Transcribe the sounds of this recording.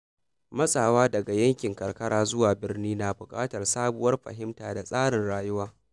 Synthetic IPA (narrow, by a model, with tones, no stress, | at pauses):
mɐ˦sʼaː˨waː˦dɐ˨ɡa˨jɐ˦ŋkʲɪ˨ŋkɐ˨rkɐ˦ɽaː˦zʊ˦waː˨bɪ˦rniː˦naː˨bʊ˨kʼaː˦tɐ˨rsaː˦bʊ˦wɐ˦rɸɐ̰˨ɦɪ˦mtaː˨da˨sʼaː˦ɽɪ˨nɽaː˨jʊ˦waː˦